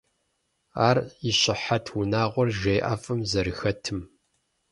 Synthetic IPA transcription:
aːriɕɪħatʰwʊnaːʁʷɔrʒeːʔa̰fɨmzɐɾɨxɐtʰɨm

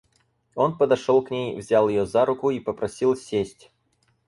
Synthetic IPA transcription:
o̞npəd̪ɐʂolˠknʲejvzʲalˠjɪjozaɾʊkʊipəpɾɐsʲilˠsʲːesʲtʲ

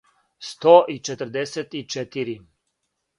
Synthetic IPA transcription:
st̪oːʔit͡ʃɛt̪əɾ̩d̪eset̪it͡ʃɛt̪iɾi

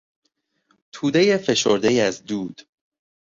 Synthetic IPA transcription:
t̪ʰuːd̪e̞je̞fe̞ʃo̰ɾd̪e̞jæzd̪uːd̪̥

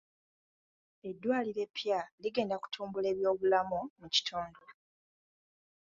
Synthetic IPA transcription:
e̞dːwaːliɾe̞pːjaliɡe̞ːndaku̥tʰuːmbule̞ːβjo̞ːβulamomuci̥tʰoːndo

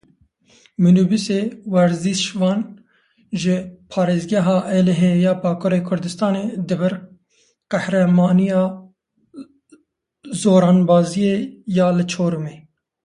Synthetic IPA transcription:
mɨnubiseːwɛɾziːʃvɑːn | ʒɪpʰɑːɾeːzɡɛɦɑːʔɛlɛɦejɑːbɑːkʰoɾeːkʰʊɾd̪ɨst̪ɑːneːd̪ɨvɨɾ | qɛhɾɛmɑːnijɑː | zoːɾɑːnbɑːzijejɑːlɨt͡ʃʰoːɾumeː

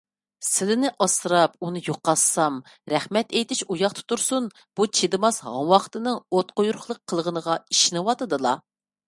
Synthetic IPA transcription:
sɪlɪnɪʔɑsɨɾɑp̚unɨjoqːɑssɑm | ɾɛχmɛt̪ɛjt̪ɪʃujɑχt̪ʰɨ̥t̪uɾsun | b̥ut͡ʃʰed̪ɨmɑshɑ̰ŋwɑχt̪ɨnɨŋot̪̚qojuɾχlˠəqʰːəlˠʁənəʁɑiʃinɨwɑt̪ɨd̪ɨlˠɑ

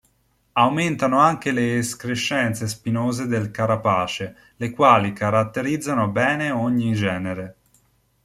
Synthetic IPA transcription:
awment̪anoaŋk̟eleːskɾeʃːɛnt̪sespinoːzed̪elkaɾapaːt͡ʃe | lekwaːlikʰaɾat̪ːeɾid̪zːanobɛːneoɲːid͡ʒɛːneɾe

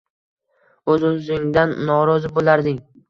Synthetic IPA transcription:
ɵzɪnzɪŋd̪anːɒɾɒzɪbolaɾd̪ɪŋ

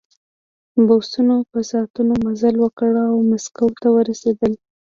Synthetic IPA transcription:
bosunopəsɑt̪unomazalwəkəɽawmaskawt̪awəɾased̪əl

